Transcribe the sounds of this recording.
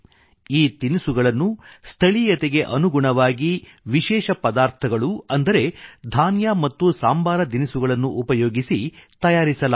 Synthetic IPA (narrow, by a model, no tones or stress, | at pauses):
iːt̪inisuɡɐɭɐnːust̪ʰɐɭijɐt̪eɡe̞ʔɐnuɡuɳɐʋaːɡi | ʋiʃɛːʃɐpɐd̪aːɾt̪ʰɐɡɐɭuɐnd̪ɐɾe̞d̪ʱaːnjamɐt̪ːusaːmbʱaːɾɐd̪inisuɡɐɭɐnːuʔupɐjoːɡisit̪ɐjaːɾisɐla